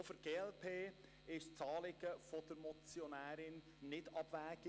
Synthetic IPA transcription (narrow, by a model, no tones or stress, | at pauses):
fəɾɡ̥eːɛlpʰeː | ɪʃt͡sɑːlɪɡəfɔd̥̪əɾmɔt͡sjɔnæːɾɪn | nɪdɑb̥væːɡ̥